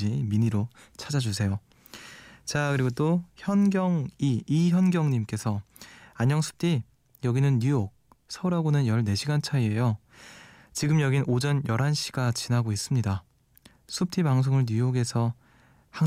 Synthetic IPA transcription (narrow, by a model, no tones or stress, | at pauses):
iminiɾo | t͡ɕʰad͡ʑad͡ʑusʰe̞jo | t͡ɕakɯɾiɡot͈oçjʌnɡjʌŋiiçjʌnɡjʌŋɲimk͈e̞sʰʌaɲʌŋsʰu̥p̚t͈ʰi | jʌɡinɯnːujok̚ | sʰʌuɾɦaɡonɯnjʌɭne̞ɕʰiɡant͡ɕʰaie̞jo | t͡ɕiɡɯmjʌɡinod͡ʑʌnjʌɾɦanɕʰi̥ɡat͡ɕinaɡois͈ɯmɲida | sʰup̚tʰibaŋs̬ʰoŋɯɭɲujoɡe̞sʰʌ | ha